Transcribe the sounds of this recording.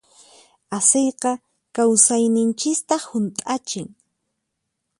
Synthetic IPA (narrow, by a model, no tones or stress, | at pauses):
asejqɑ | kawsajnɪnt͡ʃɪst̪ɑhʊnt̪ʼat͡ʃɪŋ